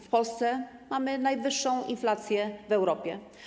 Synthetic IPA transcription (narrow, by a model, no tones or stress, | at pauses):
fpɔlst̪sɛmamɘnajvɘʂːɔ̃w̃ḭnflat̪sʲjɛvɛwɾɔpʲjɛ